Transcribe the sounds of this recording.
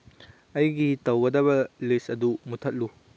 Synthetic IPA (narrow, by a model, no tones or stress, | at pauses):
ɐjɡitɐwɡɐdɐβɐlisɐdumutʰɐt̚lu